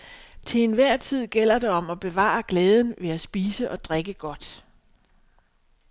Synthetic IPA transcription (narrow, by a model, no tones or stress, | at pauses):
t͡sʰe̝ːnʋæɐ̰t͡sʰið̞̰ˠɡ̥el̰ɐɾ̥e̝ɒ̽mɒ̽b̥e̝ʋɑ̰̈ːɑɡ̥lɛːð̞ˠən̩ʋe̝æsb̥iːsəʔɒ̽d̥ʁeɡ̥əɡ̥ɒ̽d̥